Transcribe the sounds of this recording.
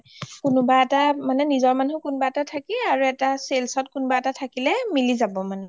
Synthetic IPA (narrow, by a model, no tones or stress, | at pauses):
kʊnʊbaɛtamanɛnizɔɹmanukʊnbaɛtatʰakiaɹuɛtaselsɔtkʊnʊbaɛtatʰakilɛmilizabɔmanu